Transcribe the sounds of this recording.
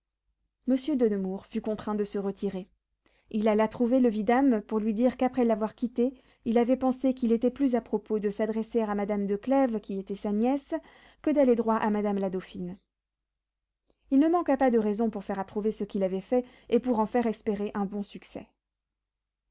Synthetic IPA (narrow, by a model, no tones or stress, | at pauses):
məsjød̪ənəmuʁfykɔ̃t̪χɛ̃d̪əsəʁət̪ʰiʁe | ilalat̪χuveləvid̪ampuʁlɥid̪iʁkapχɛlavwaʁkʲit̪e | ilavɛpɑ̃sekilet̪ɛplyzapχɔpod̪əsad̪ʁɛseʁamad̪amd̪əklɛvkʲiet̪ɛsanjɛs | kəd̪aled̪ʁwaʔamad̪amlad̪ofin | ilnəmɑ̃kapad̪əʁɛzɔ̃puʁfɛʁapχuvesəkʲilavɛfɛ | epuʁɑ̃fɛʁɛspeʁeʔɛ̃bɔ̃syksɛ̰